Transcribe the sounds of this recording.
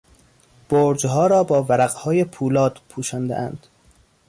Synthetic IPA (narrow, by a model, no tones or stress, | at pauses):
b̥oːɾd͡ʒɦɒːɾɒːbɒːvæɾæɣhɒːjepʰuːlɒːd̪̥pʰuːʃɒːnd̪ḛʔæ̰nd̪̥